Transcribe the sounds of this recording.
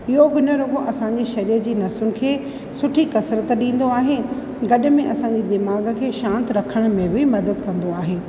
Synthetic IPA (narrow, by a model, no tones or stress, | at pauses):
ɪɦoɡʊnəɾʊɡoʔɐsãɲd͡ʑiʃɐɾiːɾd͡ʑiːnɐsʊnɪ̆kʰeː | sʊʈʰikɐsɾət̪ɗĩːn̆d̪oaːɦe | ɡɐɗʊ̆mẽʔɐsãːɲd͡ʑid̪ɪmaːɡə̆kʰeːʃãːnt̪ɾɐkʰəɽ̃̆mẽbɪmɐd̪əd̪kɐ̃nd̪oaːɦeː